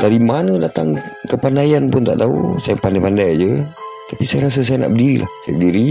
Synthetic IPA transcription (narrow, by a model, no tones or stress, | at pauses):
daɾimanədat̪aŋkəpandajanpʊnt̪aʔt̪aṵsajapandajpandajd͡ʒət̪apisajaɾas̬əs̬ajana̰ʔbədiɾilʔa̰hsaja̰bədiɾi